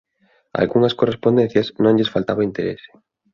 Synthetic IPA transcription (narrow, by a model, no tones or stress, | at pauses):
a̰lɣuŋɐskorespond̪en̟θjɐsnõŋʎesfalt̪aβɐint̪eɾḛse̥